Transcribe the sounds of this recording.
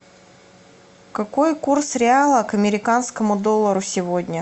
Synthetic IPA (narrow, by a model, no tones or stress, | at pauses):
kɐko̞jkursɾʲɪalˠəkɐmʲɪɾʲɪkanskəmʊd̪o̞lˠːəɾʊsʲɪvo̞dʲnʲə